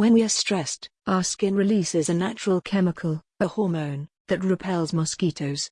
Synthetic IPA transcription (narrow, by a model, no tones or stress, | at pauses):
wɨ̃nwiəstɹ̥ɛstʔɑskɪ̃nɹɨlisɪzɨnæt͡ʃəɹəlˠkʰɛməkʰəlˠ | əhɔɹmõʊ̃nðɨt̚ɹɨpʰɛlˠzməskiˑɾʰoʊz̥